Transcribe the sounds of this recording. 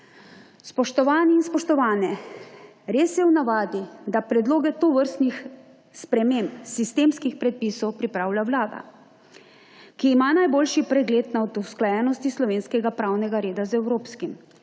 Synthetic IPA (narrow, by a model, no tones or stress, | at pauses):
spɔʃt̪ɔʋaːniːnspɔʃt̪ɔʋaːnɛ | ɾeːsjɛwnaʋaːd̪id̪apɾɛd̪loːɡɛt̪oʋəɾst̪nix | spɾɛmempsist̪eːmskixpɾɛt̪̚piːsɔwpɾipɾaːwlʲjawlaːd̪a̰ | kiːmanajboːlʃipɾɛɡleːt̪naɔd̪usklajɛnɔst̪islɔʋeːnskɛɡapɾaːwnɛɡaɾeːd̪azɛwɾoːpskim